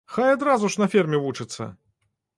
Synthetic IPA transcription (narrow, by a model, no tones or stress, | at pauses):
xajad̪ɾazuʂnɐfʲirmʲɛvut͡ʂɨt̪sːɐ̰